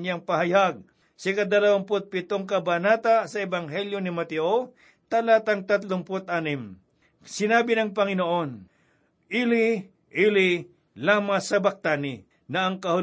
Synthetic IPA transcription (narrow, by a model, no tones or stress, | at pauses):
ɲjaŋpɐɦajaɡ̚ | sɪkad̪alawaŋpʊt̪̚pɪt̪oŋkɐbanaːt̪asɐɛbɐŋɦɛljonɪmɐt̪ɪʔo | t̪ɐlaːt̪aŋt̪at̪lʊŋpʊt̪̚ʔaːnɪm | sɪnaːbɪnɐŋpɐŋɪnoʔon | ʔilɪ | ʔilɪ | laːmasɐbɐk̚t̪anɪ | nɐʔɐŋkɐhʊ